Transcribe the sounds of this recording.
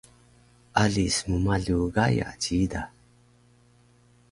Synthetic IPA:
ʔaɮismumaɮuɡaja̰ciida

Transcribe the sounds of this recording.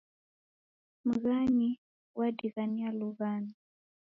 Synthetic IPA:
m̩ɣaɲi | wʔadiɣanialuɣani

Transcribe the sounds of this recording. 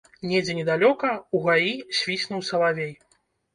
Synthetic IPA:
nʲɛd͡zʲɛnʲɛd̪alʲɔkɐuɣajisʲvʲisʲnuwsɐlˠavʲej

